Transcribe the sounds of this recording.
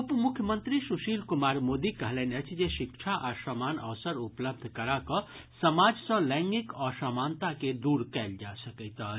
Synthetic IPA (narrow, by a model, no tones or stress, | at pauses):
əpmukʰjəmənt̪ɾisuʃilkumaɾmod̪ikəɦlɛneət͡ʃʰd͡ʒeʃikʃʰaʔasəmanə̰ʋsəɾupləb̚d̪ʱkəɾakəsəmad͡ʒsə̃lə̃ŋɡikɔsəmant̪aked̪uɾkɛld͡ʒasəkəɪt̪ə